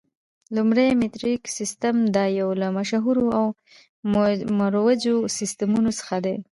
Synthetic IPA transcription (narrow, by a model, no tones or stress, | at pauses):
lumɽejmɪt̪ɾiksist̪amd̪ɑjawlamaʃaɦuɾoaw | maɾwad͡ʒosɪst̪amunosə̥xad̪e